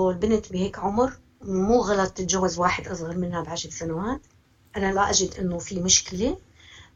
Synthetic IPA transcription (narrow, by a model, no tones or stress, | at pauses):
lbɪnt̪biheːkʕʊmɾ | muːɣalɑt̪ˤɪt̪ʒawːazwaːħɪd̪ʔɑsˤɣɑɾmɪnhabʕaʃɾsanawaːt̪ | ʔanalaʔaʒɪd̪ʔɪnːofimʊʃkɪle